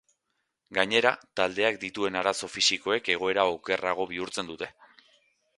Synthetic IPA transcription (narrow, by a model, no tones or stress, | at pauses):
ɡaɲe̞ɾat̪ald̪e̞ak̚d̪it̪ue̞naɾaso̞fisiko̞e̞ke̞ɣ̞o̞e̞ɾaoke̞raɣ̞o̞β̞iuɾt͡se̞nd̪ut̪e̞